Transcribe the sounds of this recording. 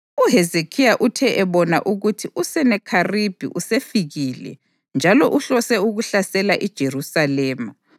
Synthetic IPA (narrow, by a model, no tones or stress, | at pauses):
uɦɛzekʰijaʔutʰɛʔɛβɔna̰ʔuɣutʰiusɛnɛkʰarib̥ʱḭʔusefiɣiːlɛ̰ | nd͡ʒʱalɔʔuɬɔsɛuɣuɬasɛlaʔid̥ʒ̥ʱerusalɛːma